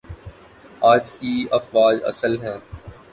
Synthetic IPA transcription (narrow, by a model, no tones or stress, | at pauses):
aːd͡ʒkiɐfʋaːd͡ʒɐ̰səlɦɛ̃ː